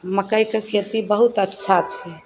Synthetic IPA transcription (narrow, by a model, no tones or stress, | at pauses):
məkəjkekʰeɾt̪ibəɦut̪ətːʃʰat͡ʃʰɛ